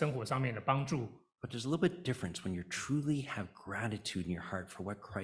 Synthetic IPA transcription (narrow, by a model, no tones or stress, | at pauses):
əŋxwɔʂɑŋmjɛnd̪əpɑŋʈ͡ʂu | b̥ʌt̪̚ðə˞zəlɪɾlˠbɪt̚d̥ɪfɹɨ̃nswə̃njə˞tʰɹ̥ulˠiɨvɡɹæɾɨtʰʉɾɨ̃n̩jə˞hɑɹtfə˞wʌt̚kʰɹ̥aɪ